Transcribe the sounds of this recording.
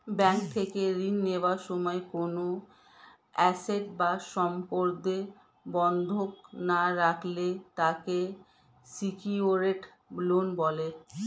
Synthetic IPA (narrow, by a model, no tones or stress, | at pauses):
bɛŋk̚t̪ʰekeɾinːewaɾʃɔmɔekono | ɛseʈ̚baʃɔmpoɾd̪e | bɔnd̪ʱoknaɾakʰlet̪ake | sikioɾeʈ | blonbɔle